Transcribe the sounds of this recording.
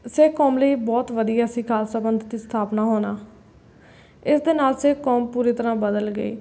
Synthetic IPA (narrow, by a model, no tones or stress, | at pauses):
seːkɔːmləiːbɔːt̪ʋəd̪ijaːsĩːkʰaːlsəbənd̪t̪iːst̪ʰaːpnaːɦoːnaː | ɪsd̪eːnaːlseːkɔːmpuːɾiːt̪əɾãːbəd̪əlɡə̰ḭː